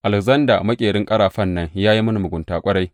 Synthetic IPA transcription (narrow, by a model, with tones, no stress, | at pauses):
ʔa˨lɪ˨kzɐ˦nda̰˨mɐ˦kʲʼeː˨ɽɪ˦ŋkʼɐ˦ɽaː˨ɸɐ˦˨nːɐ˦ŋjaː˦ji˦mɐ˦nu˨mʊ˨ɡʷʊ˨ntaː˨kʷʼɐ˦ɽa˦j